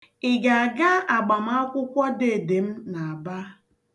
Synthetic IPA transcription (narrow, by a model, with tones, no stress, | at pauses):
ɪ˨ɡa˨a˨ɡa˦a˨ɡ͡ba˨m̩˦a˦kʷʊ˦kʷɔ˦de˨de˨m̩˦na˨a˨ba˦